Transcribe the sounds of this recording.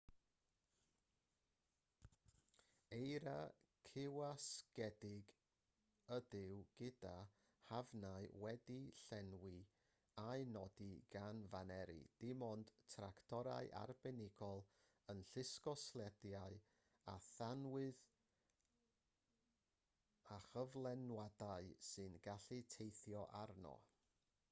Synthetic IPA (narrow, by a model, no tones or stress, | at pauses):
ejɾakʰɪwaskɛdɪɡ | ədɪwɡ̥ɪda | havnaɨwɛdiɬɛnwi | aɨnɔdiɡ̥anvanɛɾḭd̥ɪmɔnd̥tʰrakʰtʰɔɾa̰ɨʔa̰rbɛnɪɡɔlˠ | ənɬɪskɔslˠɛdjaɨ | aθanwɨð | aχəvlˠɛnwadaɨsɨnɡaɬɨtʰejθjɔʔarnɔ̰